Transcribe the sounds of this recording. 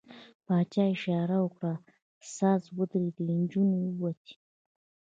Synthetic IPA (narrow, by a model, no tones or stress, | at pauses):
pɑt͡ʃɑɪʃɑɾawəkɽa | sɑzwəd̪ɾid̪əind͡ʒunwat̪i̥